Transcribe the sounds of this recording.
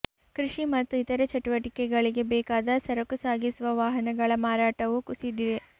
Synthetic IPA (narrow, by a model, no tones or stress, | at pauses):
kɾiʂimɐt̪ːuit̪ɐɾɐt͡ʃɐʈuʋɐʈikɛɡɐɭiɡe̞bɛːkaːd̪ɐsɐɾɐkusaːɡisuʋɐʋaːɦɐnɐɡɐɭɐmaːɾaːʈɐʋukusid̪iʋe